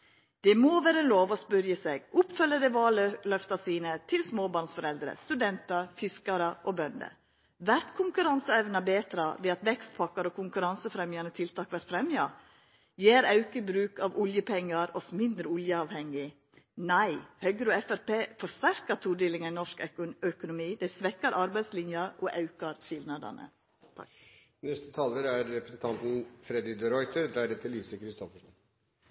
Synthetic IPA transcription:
d̪̥ɛmoːʋæːɾəloːʋɔspʉɾjəseɡʊpfœlːəd̪ɛʋɑːllœft̪ɑsiːnət̪ʰɪlsmoːbɑːɳsfɔɾɛld̪ɾə̰st̪ʉd̪ɛnt̪ɑɾfɪskɑɾəʔɔbœnd̪ə̰ | ʋæɾt̪kʰʊŋkʉɾɑnsəɛʋnɑbeːt̪ɾɑʋɛɑt̪ʋɛkst̪̚pʰɑkːɑɾoːkʰʊŋkʉɾɑnsəfɾɛmjɑnət̪ʰɪlt̪ʰɑːkʋæɾt̪fɾɛmjɑ̰ | jeːɾɑʉkəbɾʉːkɑʋʊljəpʰɛŋːɑɾɔsmɪnd̪ɾəʊljəɑʋhɛŋːɪ | næɪhœɡəɾoːɛfæɾpeːfɔst̪æɾkɑt̪ʰuːd̪eːlɪŋənnɔʂkœkʊnʊmiːd̪æɪsʋɛkːɑɾʔɑɾbæɪd̪slɪnjɑɾɔʔɑʉkɑɾʃɪlnɑd̪ɑ̰nə̰ | t̪ʰ | nɛst̪ə̥t̪ʰɑːləɾæɾːɛpɾəsn̩t̪ʰɑnt̪n̩fɾɛd̪ɪd̪ɛɾɔʏt̪əɾd̪æɖɛt̪ʰɪlːiːʋsɪkəɾɪst̪ɔfəʂɔn

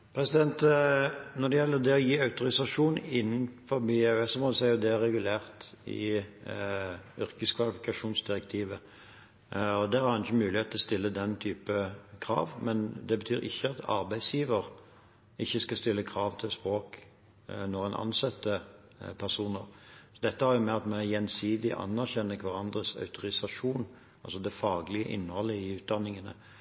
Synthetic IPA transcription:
pʰɾɛsɪd̪ɛnt̪ | nɔd̪ɛjɛlːəd̪ɛɔjiːɑʉt̪ʊʁɪsɑʂuːnɪnːn̩fɔɾbeɛɛsɔmɔd̪ʉsæɪjʊd̪ɛæɾːɛɡʉlæːʁt̪ | ɪ̰ | ʏʁkəskʰʋɑlɪfɪkɑʂuːnsd̪ɪʁɛk̚t̪ʰiːʋə | ɔd̪ɛhɑɾɑnɪçːəmʉːlɪhet̪lɔst̪ɪlːəd̪ɛnt̪ʰyːpəkʰʁɑ̰ːʋmɛnd̪ɛbət̪ʰyːɾɪ̰çːəɑt̪ɑ̰ɾbæɪsjiːʋəʁ | ɪçːəskɑst̪ɪlːəkʰʁɑːʋt̪ʰɪlspʁoːk | nɔʁɛnʔɑ̰nsɑt̪ːə | pʰæʁsuːnəʁsɔd̪ɛt̪ːəhɑɾjʊmɛɑt̪mɛjɛnsiːd̪ɪʔɑ̰nːæʁçɛnːəkʰʋɑɾɑnd̪ɾəsœ̰ʉt̪ʊɾɪsɑʂuːn | ʔɑlsɔd̪ɛfɑːɡlɪəʔɪ̰nːhɔlːəɪʉːt̪̚d̪ɑnːɪŋənə̰

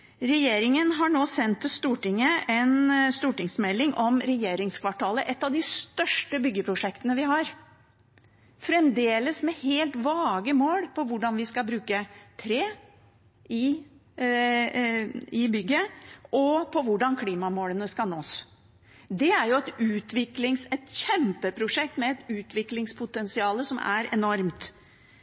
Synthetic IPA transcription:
ɾɛjeːɾɪŋənɦɑɳoːsɛnt̪ʰːɪst̪uːʈɪŋːəɛnst̪uːʈɪŋsmɛlːɪŋʔɔmɾɛjeːɾɪŋskʰʋɑʈʰɑːləʔɛt̪ːɑʋd̪ɪst̪œʂʈəbʏɡːəpʰɾʊʂɛkt̪ənəʋɪɦɑɾ | fɾɛmd̪eːləsmɛheːlt̪ʋɑːɡəmoːlpʰɔʋʊɖɑnʋɪskɑbɾʉːkət̪ʰɾeː | ʔɪ | ɪbʏɡːəɔpʰɔʋʊɖɑnkʰliːmɑmoːlənəskɑnoːs | d̪ɛæɾjʊɛt̪ʉːt̪ʋɪklɪŋsɛt̪çɛmpəpʰɾʊʂɛk̚t̪mɛɛt̪ʉːt̪ʰʋɪklɪŋspʰʊt̪ɛnsɪɑːləsɔmʔæ̰ɾɛ̰nɔɾmt̪

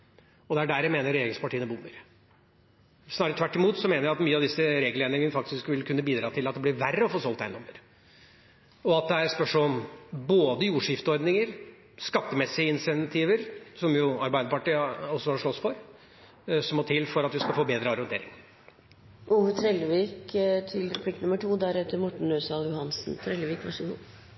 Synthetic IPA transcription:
ɔd̪ɛæɖæɾjæmeːnəɾeːɾɡɪŋspɑʈʰiːənəbʊmːəɾ | snɑːɾət̪ʰʋæʈːɪmuːt̪sɔmeːnəɾjæɑt̪myːəɑʋd̪ɪsːəɾeːɡəleːnɪŋənəfɑk̚t̪ɪskʋɪlkʰʉnːəbiːd̪ɾɑːt̪ʰɪlɑt̪̚d̪ɛblɪɾʋærːəɔfoːsɔlt̪æɪnɔmːəɾ | ɔɑt̪̚d̪ɛæɾspœʂɔɔmboːd̪əjuːʂɪft̪əɔɾd̪nɪŋəɾ | skɑt̪ːəmɛsːɪəɪnsɛnt̪ʰiːʋəɾsɔmjʊɑɾbæɪd̪əpɑʈiːɔsːɔhɑʂɭɔsfɔɾ | sɔmɔt̪ʰɪlːfɔɾɑt̪ʋɪskɑfoːbeːd̪ɾəɑɾɛnt̪ḛːɾɪ̰ŋ | ʔuːʋət̪ʰɾɛləʋiːkt̪ʰɪlɾɛpʰlɪknʉməʈʰuːd̪æɾhɛt̪ːəɾmɔʈɳ̩ɾøːsɑljʊhɑnsn̩t̪ʰɾɛlʋiːkʋɑʂəɡṵː

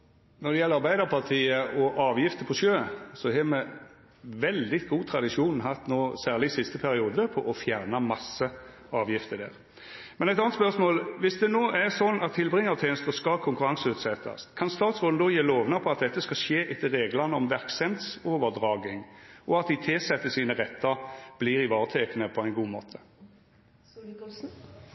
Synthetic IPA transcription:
nɔd̪ɛjɛləɾɑɾʁbæɪd̪əʁpʰɑʁt̪ʰiːəʔɔʔɑːʋjɪft̪əpʰɔʂøːsɔɦɛmɛ | ʋɛld̪ɪɡuːt̪ʰɾɑd̪ɪʂuːnn̩ɦɑt̪ːnoːsæːʁlɪsɪst̪əpʰæɾɪuːd̪əpʰɔʔɔfjæʁnəmɑsːə | ɑːʋjɪft̪əd̪æ̰ːʁ | mɛnɛt̪ɑːnt̪spœʁsmoːlʋɪsd̪ɛnoːʔæʁsɔnːɑt̪ʰːɪlbʁɪŋːɑt̪ʰɛːnəst̪əskɑlkʰʊŋkʉɾʁɑŋsəʉːt̪sɛt̪ʰːɑ̰skʰɑnst̪ɑːt̪sʁoːln̩d̪oːjeːloːʋnɑpʰɔɑt̪̚d̪ɛt̪ːəskɑʂeːʔɪt̪ːəʁeːɡlɑnəɔmʋæʁksɛmt̪soːʋəd̪ʁɑːɡɪŋʔɔɑt̪̚d̪ɪt̪ʰɪlsɛt̪ːəsiːnəʁɛt̪ːəɾb̥liːʁɪʋɑːʁt̪ʰeːkənəpʰɔæɪnɡuːmoːt̪ʰə̥

